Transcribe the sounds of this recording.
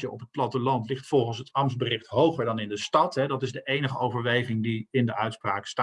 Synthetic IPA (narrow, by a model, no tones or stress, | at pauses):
əʔɔpɦət̚plɑtəlɑntlɪχtfɔlˠχənsɦətɑɹmsbərɪχtɦowχəɹdɑnɪndəstɑtɦɛdɑtɪzdəʔejnəχəowvəɹʋejχɪŋdiɪndəʔœɥtspraːksta